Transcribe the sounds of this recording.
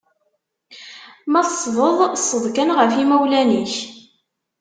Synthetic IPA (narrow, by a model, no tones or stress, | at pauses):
mæθsˤːvəðˤsˤːəðˤkænʁəfimæwlæniç